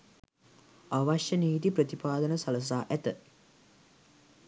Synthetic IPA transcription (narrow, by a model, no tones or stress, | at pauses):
aʋaʃjəniːt̪iprət̪ipaːd̪ənəsɐləs̬aːʔæt̪ə